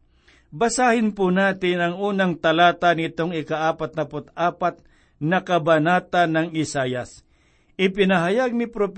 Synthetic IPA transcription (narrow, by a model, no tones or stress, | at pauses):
bɐsaːhɪnpʊnaːt̪ɪnɐŋuːnaŋt̪ɐlaːt̪anɪt̪oŋɪkaʔaːpat̪̚nɐpʊt̪̚aːpat̪̚ | nɐkɐbɐnaːt̪anɐŋɪsaːjas | ʔɪpɪnɐɦɐjaɡ̚nɪpɾop